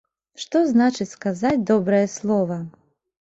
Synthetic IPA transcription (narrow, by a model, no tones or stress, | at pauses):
ʂt̪ɔznat͡ʂɨt͡sʲskazat͡sʲd̪ɔbɾɐjɛslˠɔvɐ